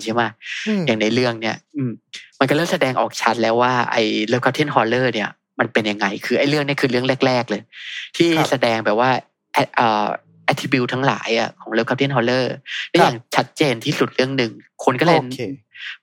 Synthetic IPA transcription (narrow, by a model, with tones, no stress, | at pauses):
t͡ɕʰi˦˥˩maː˧˩jaː˨˩ŋna˧˩jlɯ˥˩əŋni˥˩ɐʔɯː˧˩mma˧nkɔː˥˩ɤː˥˩sa˧dɛː˧ŋʔɔ̰ː˨˩k̚t͡ɕʰa˦˥t̪̚lɛː˦˥waː˥˩ʔa̰˧jlɤː˦˥˩pkʰa˦˥pt̪ʰi˥˩˨nɦɔː˧lɤː˥˩ni˥˩ɐ | ma˧npe˧nja˨˩ŋːa˧jkʰɯː˧ʔa˧jlɯ˥˩ŋni˥ə˩kʰɯː˧lɯ˥˩əŋle˥˩k̚lɛː˥˩k̚lɤː˧jt̪ʰiː˥˩sa˧dɛː˧ŋbɛː˨˩p̚waː˥˩ | ʔɛ˦˥ʔəː˨˩ | ʔɛ˦˥t̪ʰːi˧bi˧wt̪ʰa˦˥ŋla̰ː˩˦jʔa̰˨˩kʰɔː˩˦ŋlɤː˥˩p̚ʰa˦˥t̪ʰi˥˩˨nɦʰɔː˧lɤː˥˩lɛː˦˥jaː˨˩ŋt͡ɕʰa˦˥t̪̚t͡ɕeː˧nt̪ʰiː˥˩su˨˩t̪̚lɯ˥˩əŋnɯ˨˩ŋkʰo˧nkɔː˥˩le˧